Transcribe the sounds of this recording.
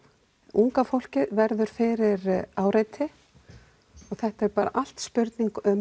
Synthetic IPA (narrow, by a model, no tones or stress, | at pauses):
uŋkafowl̥cɪðvɛɾðʏɾ̥fɪːɾɪɾaːwɾeːjt̪ʰɪ | ɔɣθɛht̪aɛɾpaːɾa̰ʔal̥t̪spʏɾt̪niŋkœm